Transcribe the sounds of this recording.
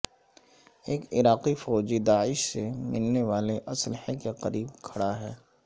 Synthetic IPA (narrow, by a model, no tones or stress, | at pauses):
eːkɪɾaːqifɔːd͡ʒid̪aːɪʃsemɪlneʋaːleʔɐslɪhekeqɐɾiːbkʰɐɽaɦɛː